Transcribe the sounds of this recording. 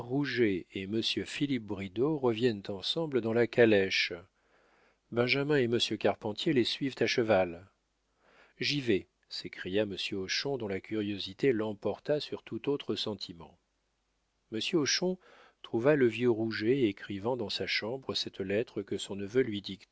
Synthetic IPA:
ʁuʒeeməsjøfilip̚bʁid̪oʁəvjɛnt̪ɑ̃sɑ̃bləd̪ɑ̃lakʰalɛʃ | bɛ̃ʒamɛ̃eməsjøkaʁpɑ̃t̪jelesɥivt̪aʃəval | ʒive | sekχijaməsjøoʃɔ̃d̪ɔ̃lakʲyʁjozit̪elɑ̃pɔʁt̪asyʁt̪ut̪ot̪χəsɑ̃t̪ʰimɑ̰̃ | məsjøoʃɔ̃ | t̪χuvaləvjøʁuʒeekχivɑ̃d̪ɑ̃saʃɑ̃bʁəsɛt̪lɛt̪χəkəsɔ̃nəvølɥid̪ikt̪

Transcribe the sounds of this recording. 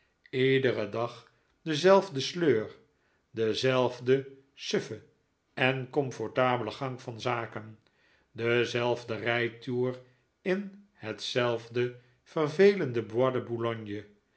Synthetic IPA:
idərədɑχ | dəzɛlˠvdəsløːr | dəzɛlˠvdə | søfə | ɛnkɔmfɔɹtaːbələχɑŋfɑnzaːkən | dəzɛlˠvdərɛjtuːr | ɪnhətsɛlˠvdə | fərvejləndəbwɑdəbulɔɲjə

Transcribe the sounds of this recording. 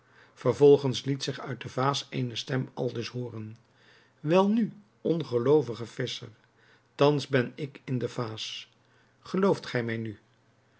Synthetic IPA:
v̥əɹvɔlˠχənslitsɪχœɥt̚dəvaːsejnəstɛmɑ̰lˠdɵsɦoːrən | ʋɛlˠny | ʔɔnχəlowvəχəv̥ɪsə̰ɹ | tɑnzbɛnɪkɪndəvaːs | χəlowftχɛjmɛjny

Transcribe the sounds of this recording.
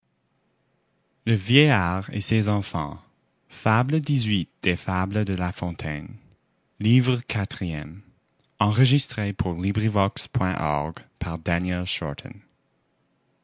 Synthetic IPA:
ləvjɛjaʁḛsezɑ̃fɑ̰̃ | fabləd̪izwit̪̚d̪̥efabləd̪əlafɔ̃t̪ʰɛn | livʁəkʰat̪χiɛm | ɑ̃ʁəʒist̪χepʰuʁlibʁivɔkspʰwɛ̃ʔɔ̰ʁɡpʰaʁd̪ænjɛlʃɔ̰ɹt̪ʰə̰̃n

